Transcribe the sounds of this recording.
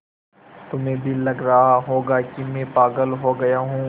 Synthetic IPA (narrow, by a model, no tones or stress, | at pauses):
t̪ʊmẽbʱilɐɡɾɐɦaɦoːɡaːkimɛ̃ːpaːɡəlɦoːɡɐjaɦũː